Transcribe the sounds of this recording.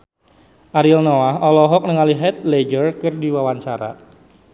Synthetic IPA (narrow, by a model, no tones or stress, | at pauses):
ʔaɾilnoaɦɔlɔɦɔk̚nəŋaliɦɛt̪̚led͡ʒərkɨrdiwawaɲt͡ʃaɾa̰